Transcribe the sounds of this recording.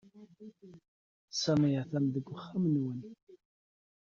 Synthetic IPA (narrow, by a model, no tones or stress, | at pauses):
sæmijaθæmðəɡʷːəχːamənwən